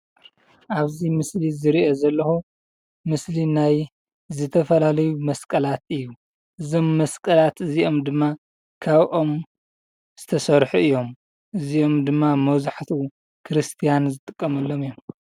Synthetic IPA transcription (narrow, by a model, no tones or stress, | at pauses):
ʔaβzimɨslizɨɾiʔozɐlːɐxu | mɨslinaj | zɨt̪ʰɐfɐlalɐjumɐskʼɐlat̪ɨjːu | ʔɨzo̞mːɐskʼɐlat̪ɨziʔo̞md̪ɨmːa | kʰaβʔo̞m | z̥ɨt̪ʰɐsɐɾħuɨjːo̞m | ʔɨziʔo̞md̪ɨmːamɐwzaħt̪ʰu | kʰɨɾɨst̪ʰijanzɨt̪ʼɨkʼːɐmɐlːo̞mɨjo̞m